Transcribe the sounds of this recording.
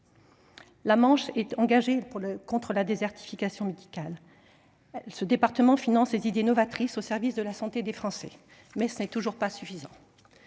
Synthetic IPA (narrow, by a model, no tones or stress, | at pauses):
lamɑ̃ʃɛt̪ɑ̃ɡaʒepuʁlkɔ̃t̪χəlad̪ezɛʁt̪ʰi̥fikasjɔ̃med̪ikʲal | səd̪epaʁt̪əmɑ̃finɑ̃slezid̪enɔvat̪χisosɛʁvisd̪əlasɑ̃t̪ed̪efχɑ̃sɛ̰ | mɛsənɛt̪uʒuʁpasyfizɑ̃